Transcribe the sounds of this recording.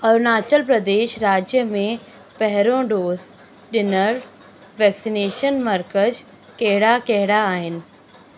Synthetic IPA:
ɐɾnaːt͡ʃəlpɾɐd̪eːʃɾaːd͡ʑjəmẽ | pɛɦɛɾõɖoːz | ɗɪnəɾ | ʋɛːksineːʃənmɐɾkəd͡ʒ | kɛɦɪɽakɛɦɪɽaːɦɪnɪ̆

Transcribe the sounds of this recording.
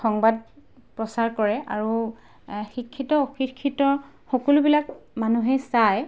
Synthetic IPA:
xɔŋbad̚ | pɹɔsaɹkɔɹɛʔaɹu | xikʰːitɔoxikʰːitɔ | xɔkɔlʊbilakmanuɦɛsaj

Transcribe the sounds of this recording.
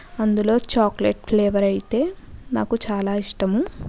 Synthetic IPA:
ɐnd̪ulo̞ːt͡ʃaːklḛʈ̚pʰleːʋɐɾɐjit̪e̞ːnaːkut͡ʃaːlaːiʂʈɐmu

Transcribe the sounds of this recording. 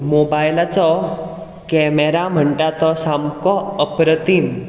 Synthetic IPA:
mobajlat͡sɔ | kɛmɛɾam̤əɳʈat̪ɔsamkɔəpɾət̪iːn

